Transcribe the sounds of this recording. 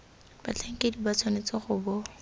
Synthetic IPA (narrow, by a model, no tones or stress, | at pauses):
b̥a̰t͡ɬʰaŋ̩kʼedibat͡sʰɔnet͡sɔχʊːbɔ